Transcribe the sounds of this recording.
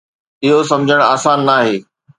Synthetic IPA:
ɪɦosɐ̃md͡ʑʱəɽ̃aːsaːnːaːɦeː

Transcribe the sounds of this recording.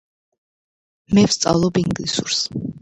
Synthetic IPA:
mɛfst̪sʼa̰lˠɔbiŋɡlisuɾs

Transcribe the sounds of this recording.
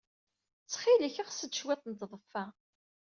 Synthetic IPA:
t͡sːχɪləçəʁsəd̪ʃwæθənt̪ðˤəfːæ

